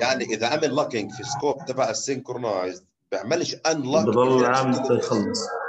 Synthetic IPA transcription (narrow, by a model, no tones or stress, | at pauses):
jaʕniʔɪðaʕamɪlːɑkɪŋɡfiskoːb̚t̪abaʕasːɪŋkʊɾnajz | bjɪʕmɪlʃʔanlɑbd̪ˤɑlːlʕaːmt̪jxɑlːɨsˤ